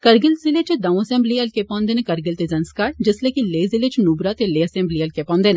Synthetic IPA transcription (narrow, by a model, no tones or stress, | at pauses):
kɐɾɡɪlzɪlet͡ʃd̪aõəsɛ̃ːmbliɐlkepãːnd̪eːnẽkɐɾɡɪlt̪ezɐnskaːɾd͡ʒɪslekileːzɪlet͡ʃnubɾat̪eleːɐsɛ̃ːmbliːɐlkepãːnd̪eːn